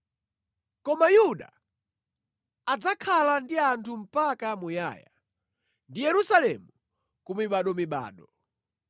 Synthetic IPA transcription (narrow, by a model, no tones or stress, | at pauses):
kɔmajuɗa̰ | ad͡zakʰalandiantʰum̩pakamuja̰ːja̰ | ndijɛɾusalɛ̰mu | kumiɓaɗɔmiɓa̰ːɗɔ